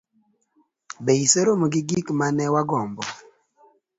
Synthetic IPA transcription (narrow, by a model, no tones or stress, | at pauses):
beiseɾomoɡiɡikmanɛwaɡɔmbɔ